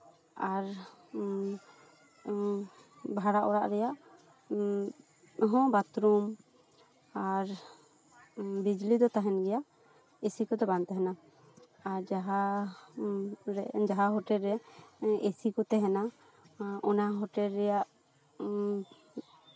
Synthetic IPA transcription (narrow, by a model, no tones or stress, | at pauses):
aɾ | bʱaɽaʔɔɽaʔɾɛjaʔ | ɦɔ̃bat̪ɾum | aɾ | bid͡ʒlid̪ɔt̪aɦɛnɡɛjaʔ | esikɔt̪ɛbant̪ɛɦɛna | aɾd͡ʒaɦa | ɾɛd͡ʒaɦaɦɔʈɛlɾɛesikɔt̪ɛɦɛna | ɔnaɦɔʈɛlɾɛjaʔ